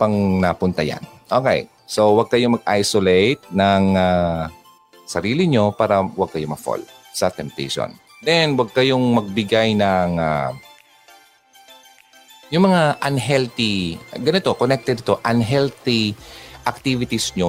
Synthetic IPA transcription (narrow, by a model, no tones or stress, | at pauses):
pɐŋnɐpʊnt̪ɐja̰nʔoːkɛ̰j | so̞wɐɡ̚kɐjo̞mɐɡ̚ʔa̰jsolejt̪̚nɐŋa | sɐɾiːlɪɲo̞paːɾɐwɐɡ̚kɐjo̞mɐɡfo̰l | sɐt̪ɛmt̪ɛ̰ʃo̰n | d̪ɛnwɐɡ̚kɐjo̞ŋmɐɡ̚bɪɡajnɐŋa | jʊŋmɐŋaʔɐnɦɛlt̪ɪɡɐnɪt̪o̞konɛk̚t̪ɛd̪ɪt̪o̞ʔɐnɦɛlt̪ɪʔɐk̚t̪ivɪt̪ɪsɲo